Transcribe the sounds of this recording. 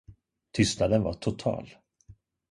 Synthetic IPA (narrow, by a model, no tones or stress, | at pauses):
t̪ʰʏst̪nad̪ənvaʈʰʊt̪ʰɑ̰ːl